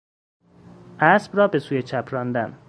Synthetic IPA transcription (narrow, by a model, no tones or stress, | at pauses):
ʔæsbrɒːbesuːjet͡ʃʰæpʰɾɒnd̪æn